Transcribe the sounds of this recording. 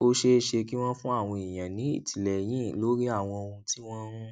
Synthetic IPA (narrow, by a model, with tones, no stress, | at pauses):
o˦ʃe˦˨ʃe˧ki˦w̃ɔ̃˦fũ˦a˦˨w̃ɔ̃˧i˨j̃ã˨nĩ˨˦ḭ˦˨ti˨lɛ˨j̃ĩ˨˦˨lo˨˦ɾi˦a˦˨w̃ɔ̃˧o˧ũ˧ti˦w̃ɔ̃˦ɾũ˦